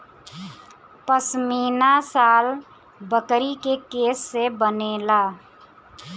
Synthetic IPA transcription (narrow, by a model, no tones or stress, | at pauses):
pəsmiːnasaːl | bəkɾikekeːsːebəneːlaː